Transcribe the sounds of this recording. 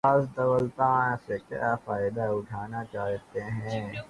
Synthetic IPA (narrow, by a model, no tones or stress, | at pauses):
aːsd̪ɐʋəlt̪ãːsekja̰ːfaːɪd̪aʊʈʰaːnat͡ʃaːɦt̪eɦɛ̃ː